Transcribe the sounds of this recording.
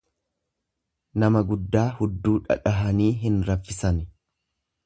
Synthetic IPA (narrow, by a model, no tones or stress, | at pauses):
nɐmɐɡʊd̪ːaːhʊd̪ːuːᶑɐ̰ᶑɐɦɐniːɦɪnɾɐfːɪsɐnɪ